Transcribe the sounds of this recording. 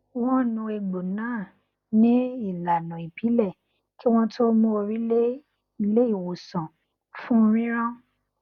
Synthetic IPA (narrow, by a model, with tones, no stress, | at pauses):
w̃ɔ̃˦˨nũ˧e˧ɡ͡bo˨nãː˦˨ | nĩ˦i˦˨la˨nũ˨i˨pʰi˨˦lɛ˦˨ | ki˦w̃ɔ̃˦tʰo˦mũ˧o˧ɾi˦le˦ | i˧le˦i˦˨wo˨sã˨ | fũ˦˧ɾ̃ĩ˦ɾ̃ã˦